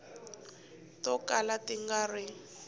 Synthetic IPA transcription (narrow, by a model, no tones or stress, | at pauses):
tɔkalatɪŋɡarɪ